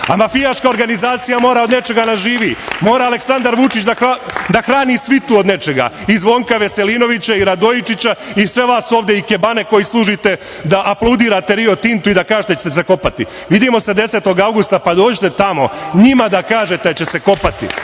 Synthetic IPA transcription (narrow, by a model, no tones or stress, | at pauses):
amafijaʃkaoɾɡanizaːt̪sijamo̞ːɾao̞d̪ne̞t͡ʃe̞ɡanaʒiːʋiːmo̞ːɾaːle̞ksand̪aɾʋut͡ʃit͡ɕd̪aad̪axɾaːniːsʋit̪uod̪ne̞t͡ʃe̞ɡa̰ | izʋo̞ːŋkaʋe̞se̞liːno̞ʋit͡ɕaiɾad̪o̞it͡ʃit͡ɕaisʋe̞ʋaːsuoːʋd̪jeikebane̞ko̞jislˠuːʒit̪e̞ | d̪aʔaplˠowd̪iːɾaːt̪e̞ɾio̞t̪int̪uid̪akaːʒet̪et͡ɕet̪ese̞ko̞pat̪i | ʋid̪iːmo̞se̞d̪e̞se̞ːt̪o̞ɡawɡust̪apad̪o̞ːd͡ʑit̪e̞t̪amo̞̰ɲimad̪akaːʒe̞t̪ed̪at͡ɕe̞se̞ko̞pat̪ḭ